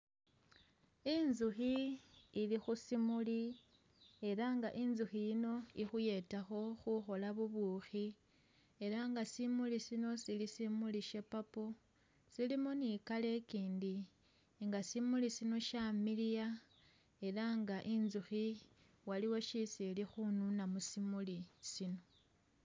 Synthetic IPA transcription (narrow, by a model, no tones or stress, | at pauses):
inzuxiilixusimuli | e̞ɾaŋɡa̰ʔinzuxijino̞ixuje̞taxo̞xuxo̞laβuβuːxi | e̞ɾaŋɡasimulisino̞silisimuliʃe̞papo | silimonikale̞kiːndi | ŋɡasimulisino̞ʃamilija | e̞ɾaŋɡaʔinzuxi | waliwo̞ʃisilixununamusimulisino̞